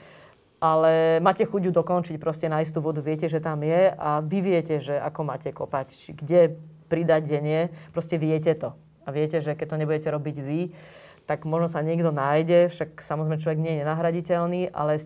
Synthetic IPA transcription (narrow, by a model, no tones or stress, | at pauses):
ʔalɛmaːcɛxuɟud̪ɔkɔnt͡ʃic̚pɾɔscɛnaist̪uːʋɔd̪uʋɪɛcɛʒɛt̪amjɛaʋiʋɪɛcɛʒɛa̰kɔmaːcɛkɔpact͡ʃiɡɟɛpɾid̪aɟɟɛɲɪɛpɾɔscɛʋɪɛcɛt̪ɔ | aʋɪɛcɛʒɛkɛc̚t̪ɔɲɛbuɟɛcɛɾɔbiɟʋi | t̪aɡmɔʒnɔsaɲɪɛɡd̪ɔnajɟɛfʃaksamɔzɾɛɪmɛt͡ʃlɔʋɛɡɲɛjɛɲɛnaɦɾaɟicɛlniːʔa̰lɛ